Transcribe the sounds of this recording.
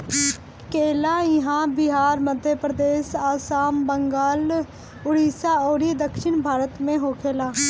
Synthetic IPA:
keːlaːɪɦãːbɪɦaːɾməd̪ʱjəpɾəd̪eːsaːsaːmbəŋɡaːl | ʊɽiːsaːoːɾid̪əkʃɪnbʱaːɾət̪mẽɦoːkʰeːlaː

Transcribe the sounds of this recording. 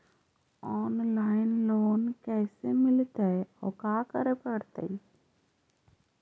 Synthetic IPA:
ɔːnlaːɪnloːnkɛːsemɪlt̪eɔ̰ːkaːkəɾepəɽt̪ḛ

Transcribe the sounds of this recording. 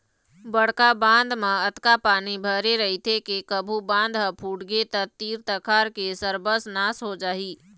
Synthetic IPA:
bəɽ̤kabãːnd̪mãət̪kapaːnibʱəɾeɾəɦit̪ʰekekəbʱubãːnd̪ɦəpʰuːʈɡet̪ət̪iːɾt̪əkʰaːɾkesəɾbəsnaːsɦod͡ʒaːɦiː

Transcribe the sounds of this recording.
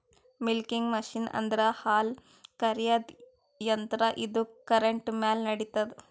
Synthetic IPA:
milkiŋɡmɐʃinɐ̰nd̪ɐɾɐhaːl | kɐɾjɐd̪ | jɐnt̪ɾɐʔid̪ukɐɾeɳʈmaːlnɐɽit̪ɐd̪

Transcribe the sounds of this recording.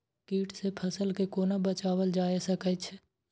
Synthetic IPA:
kiːʈsepʰəsəlkekoːnabət͡ʃaːwəld͡ʒaːesəkət͡ʃʰ

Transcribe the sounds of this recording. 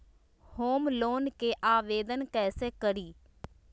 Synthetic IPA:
hoːmloːnkeʔaːʋeːd̪ənkɛːseːkəɾiː

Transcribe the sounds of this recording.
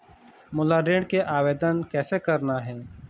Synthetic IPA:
mʊlaɖeːɽkeʔaːweːd̪ənkɛːsekɐɾnaɦɛː

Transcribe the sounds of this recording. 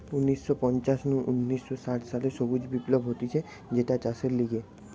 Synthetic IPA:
unːisːɔpɔnt͡ɕasnuʔunːisːɔsaʈsaleʃobud͡ʑbiplobʱɦot̪it͡ɕʰe | d͡ʑeʈat͡ɕaseɾliɡe

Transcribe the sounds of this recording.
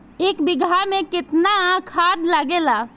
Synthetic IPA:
eːkbɪɡʱamẽkɪt̪nakʰaːd̪ləɡeːlaː

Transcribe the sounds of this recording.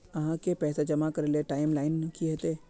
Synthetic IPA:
ɐɦãkepɛːsad͡ʒɐmakəɾeleʈaːɪmlaːɪnkiɦet̪e

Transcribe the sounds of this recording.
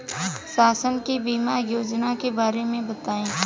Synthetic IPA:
saːsənkibiːmajoːd͡ʒnakebaːɾemẽbət̪aːẽː

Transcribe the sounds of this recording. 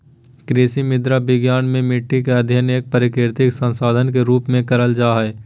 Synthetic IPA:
kɾɪːsimɪd̪ɾabɪɡjaːnmẽmɪʈːik̬eɐd̪ʱjəneːk̚pəɾɪkɪɾt̪ɪksə̃nsaːd̪ʱənkeɾuːpmẽkɐɾəld͡ʒaːɦɛː

